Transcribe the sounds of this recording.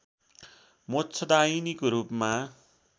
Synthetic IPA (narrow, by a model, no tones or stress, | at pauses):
mott͡sʰʌd̪ainikoɾupma